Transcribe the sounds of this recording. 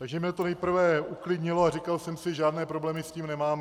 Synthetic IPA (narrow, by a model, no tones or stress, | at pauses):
t̪aɡʒɛmɲɛt̪onɛjpr̩vɛʔuklɪdɲɪloar̝ɪkalsɛmsɪʒaːdnɛːpɾo̞blɛːmɪsciːmnɛmaːmɛ